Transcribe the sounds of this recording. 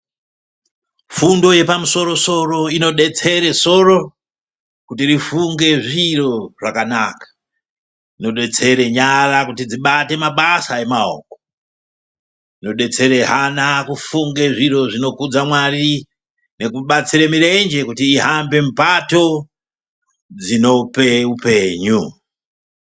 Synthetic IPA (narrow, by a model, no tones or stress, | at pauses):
fundo̞je̞pamuso̞ɾo̞so̞ro̞ino̞ɗe̞t͡se̞ɾe̞so̞ro̞ | kutirifuŋɡe̞ʐiro̞ʐ̥akanakḁ | ino̞ɗe̞t͡se̞ɾe̞ɲarakutid͡ziɓate̞maɓasae̞mao̰ːko̥ | no̞ɗe̞t͡se̞ɾe̞ɦanakufuŋɡe̞ʐiro̞ʐino̞kud͡zamwari | ne̞kuɓat͡siɾemiɾe̞nd͡ʒe̞kutiːɦambe̞m̩pato̞ | d͡zino̞pe̞upe̞ːɲu